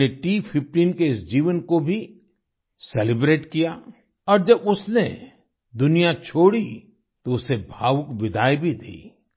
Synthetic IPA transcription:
eʈipʰɪpʈiːnkeɪsd͡ʒiːʋənkobʱi | sɛlɪbɾeːʈkija | ɔːɾd͡ʒɐbʊsne | d̪ʊnijat͡ʃʰoːɽi | t̪oʊsebʱaːʋʊkbɪd̪ʱaːibʱid̪ḭː

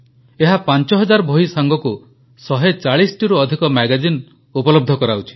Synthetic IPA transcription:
eɦapant͡ʃɔɦɔd͡ʒaɾɔbʱoɦisaŋɡɔku | sɔɦet͡ʃaɭisɔ̥ʈiɾuɔd̪ʱikɔmaɡad͡ʒin | upɔlɔb̚d̪ʱɔkɔɾawt͡ʃʰi̥

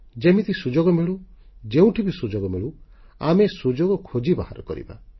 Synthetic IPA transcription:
d͡ʒemit̪isud͡ʒoɡɔmiɭu | d͡ʒeũʈʰibusud͡ʒoɡɔmiɭu | amesud͡ʒoɡɔkʰod͡ʒibaha̰ɾɔ̰kɔ̰ɾḭba̰

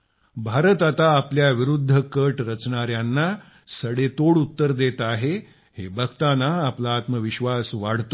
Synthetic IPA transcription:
bʱaɾət̪at̪aːpljaʋiɾud̪ʱːəkəʈɾət͡sɳaɾjanːa | səɽet̪oɽut̪ːəɾd̪et̪aɦe | hebʱəkt̪anaːplaːt̪məʋiɕʋasʋaɽ̤t̪o

